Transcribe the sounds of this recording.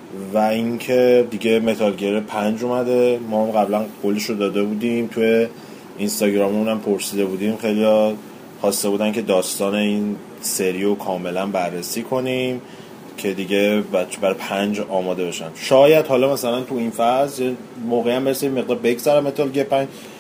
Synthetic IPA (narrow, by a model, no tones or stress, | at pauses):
væincʰe̞d̪iɟe̞me̞t̪ʰɒlɟeɾepʰænd͡ʒomæd̪e̞mɒːhmɢæblænkʰoliʃod̪ɒːd̪e̞bud̪imt̪ʰuje̞ | inst̪ɒːɟɾɒːmunæmpʰoɾsiːd̪e̞buːd̪imxe̞jlijɒ | χɒːst̪e̞buːd̪æncʰe̞d̪ɒːst̪ɒːne̞in | se̞ɾiokʰɒːme̞lænbærːesiːkʰo̞nim | cʰe̞d̪iɟe̞bæt͡ʃʰebæɾɒpʰænd͡ʒɒːmɒːd̪e̞be̞ʃænd̪̥ʃɒːjæd̪hɒːlɒmæsælænt̪ʰuinfæzjɛ | moːɣeæmbeɾsiiemeɣd̪ɒɾbe̞ɡzæɾæmːe̞t̪ʰɒlɡeɾpʰænd͡ʒd͡ʒ